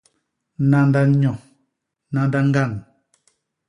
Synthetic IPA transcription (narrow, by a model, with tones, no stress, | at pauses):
nã˦nda˦ɲɔ̃˨ | nã˦nda˦ŋ̩˦ɡa˦˨n